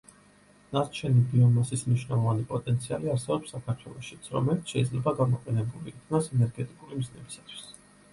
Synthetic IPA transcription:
naɾt͡ʃʰɛnibiɔnasismniʃnɛlˠɔvanipʼɔt̪ʼɛnt̪sʰia̰liaɾsɛbɔpsːakʰaɾt̪ʰwɛlˠɔʃit̪sʰɾɔ̰mɛlit̪sʰʃɛid̪zlɛbaɡamɔqʼɛnɛbuliːt̪ʰnasɛnɛɾɡɛt̪ʼikʼulimiznɛbisat̪ʰw̥i̥s

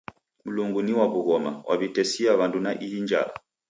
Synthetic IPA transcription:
m̩luŋɡuniwaβuɣɔmawʔa̰βitɛsiaβandunaʔijiɲd͡ʒa̰la̰

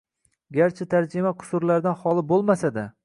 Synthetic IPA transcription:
ɡʲaɾt͡ʃʰɪt̪ʰaɾd͡ʒɪmaqʰʊ̥sʊɾlaɾd̪anhɒlˠɪbolˠmasad̪a

